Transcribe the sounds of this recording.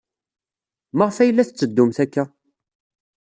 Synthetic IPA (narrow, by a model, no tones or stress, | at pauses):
məʁfæjəlːæθət͡sːəd̪ːʊmθækːæ